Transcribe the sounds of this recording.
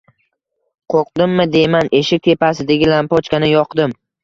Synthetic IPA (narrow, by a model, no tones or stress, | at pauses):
qʰoqd̪ɪmːɪd̪e̞jmanʔe̞ʃɪk̚ʲt̪ʰe̞pasɪd̪ɪɡʲɪlampɒt͡ʃkʲanɪjɒqd̪ɪm